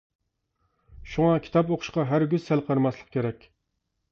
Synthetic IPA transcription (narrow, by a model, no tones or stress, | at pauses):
ʃuŋɑkʲʰi̥t̪ɑpoqʰʊ̥ʃqɑɦæɾɡʲyz̥sælˠqʰəɾmɛslˠə̥q̚kʲʰeɾɛkʲ